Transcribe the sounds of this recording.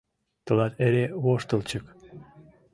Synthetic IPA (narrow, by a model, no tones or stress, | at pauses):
t̪ɤ̆lɑt̪eɾeβoʃt̪ə̆lt͡ɕə̆k